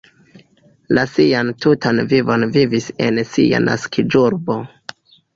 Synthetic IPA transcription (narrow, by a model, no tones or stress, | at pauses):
lasiantʰutʰanvivo̞nvivise̞nsia̰nʔa̰skʰid͡ʒuɾbo̞